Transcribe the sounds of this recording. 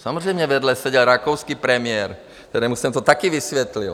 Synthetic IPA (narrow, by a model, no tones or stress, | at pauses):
samɔzɾɛːjmɲɛʋɛd̪lɛsɛɟɛlɾakɔʊskipɾɛmɪɛɾ | tt̪ɛɾɛːmusɛmt̪ɔt̪akiʋisʋɛt̪lḭl